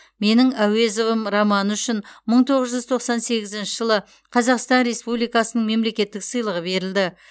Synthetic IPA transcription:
me̞nɪŋæwe̞zovəmɾɑmɑnʏʃɪnməɴt̪ʰo̞ʁəzʒʏzt̪ʰo̞qsɑnse̞ɡʲɪzɪnʃɪʒəlˠə | qʰɑzɑqst̪ɑnɾe̞spublijkɑsənəɴme̞mle̞kʲe̞t̪ːɪksəjlˠəʁəbe̞ɾɪld̪ɪ

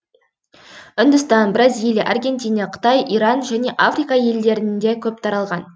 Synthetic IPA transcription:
ʏnd̪ʏst̪ɑnbɾazilʲˠjʔarɡʲe̞nt̪ʲijnɑqʰə̥t̪ɑjʔiɾɑnʒæne̞ʔafrijkɑje̞ld̪e̞ɾɪnnd̪e̞kʲʰɵp̚t̪ʰɑɾɑlˠʁɑn

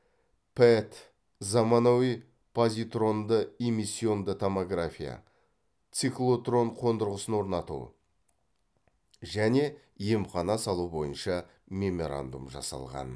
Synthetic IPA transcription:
pʰet̪ | zɑmɑnowij | pʰozʲit̪ro̞nd̪əemisʲːio̞nd̪ət̪ʰomoɡrafʲija̰ | t̪siklˠo̞t̪ro̞ɴqʰo̞nd̪əɾʁəsənwo̞ɾnɑt̪ṵ | ʒæne̞ | je̞mχɑnɑsɑlˠubo̞jənʃɑ | mʲe̞mo̞ɾa̰nd̪umʒɑ̰sɑ̰lˠʁɑ̰n

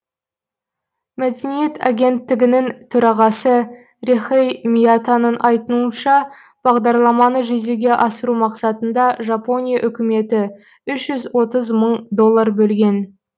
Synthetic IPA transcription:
mæd̪e̞nije̞t̪a̰ɡʲe̞nt̪ːɪɡʲɪnɪŋt̪ʰʏɾɑʁɑsə | ɾeχejmʲijat̪anənʔɑjt̪ənuənʃɑ | b̥ɑʁd̪ɑɾlˠɑmɑnəʒeze̞ɡʲe̞ʔɑsəɾumɑqsɑt̪ənd̪ɑʒɑpo̞nʲijaʔʏkʲɪme̞t̪ɪ | ʏʃʒʏzwo̞t̪əzməɴd̪o̞lˠːarbɵlɡʲe̞n

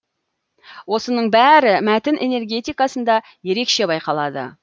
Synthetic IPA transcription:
wo̞sənəɴbæɾɪmæt̪ɪnʔe̞ne̞ɾɡʲe̞t̪ijkɑsənd̪ɑ | je̞ɾe̞kʃe̞bɑjqɑlˠɑd̪ə̰

